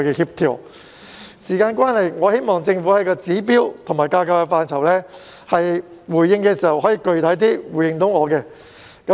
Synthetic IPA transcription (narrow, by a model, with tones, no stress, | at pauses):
kɛː˧hiː˥p̚t̪ʰiː˨˩ | siː˨˩kaː˧nkwaː˥nhɐ˨jŋɔː˨˧he˥jmɔː˨ŋt͡sɪ˧ŋfu˨˥hɐ˨˥jkɔː˧t͡siː˨˥p̬iː˥wt̪ʰʊ˨˩ŋmaː˨˩jkaː˧kɐ˧wkɛ˧faː˧nt͡sʰɐ˨˩wlɛː˥ | hɐ˨j | wuː˨˩jːɪ˧ŋkɛː˧siː˨˩hɐ˨whɔː˨˥jiː˧kɵ˧ɥt̪ʰɐ˨˥jt̪̬iː˥wu˨˩jɪ˧ŋt̪ʊ˨˥wŋɔː˨˧kɛː˧ | kɐ˨˦